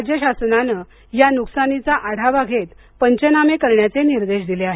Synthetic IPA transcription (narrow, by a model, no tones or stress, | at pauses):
d͡ʑjəɕasnanə | januksanit͡saʔaɽ̤ʱabaɡʱet̪ | pəɲt͡ɕənamekəɾɳjat͡seniɾd̪eɕd̪ileaɦe